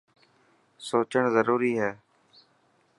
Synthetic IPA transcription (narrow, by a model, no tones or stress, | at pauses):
soːt͡ʃəɳzəɾuːɾiːɦɛː